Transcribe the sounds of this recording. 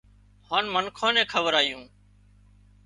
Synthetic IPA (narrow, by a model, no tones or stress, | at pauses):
haːnmənkʰõːnɛ̃ːkʰəʋəɾaːjũː